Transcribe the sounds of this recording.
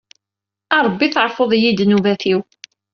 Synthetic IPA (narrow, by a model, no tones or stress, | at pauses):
ɑɾˤbːiθəɾˤfoðˤjid̪nuvæθiw